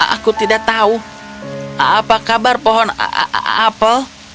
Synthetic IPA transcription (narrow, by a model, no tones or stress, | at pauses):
a̰kut̪idaʔ̚t̪au | apakabarpɔɦɔn̰apəl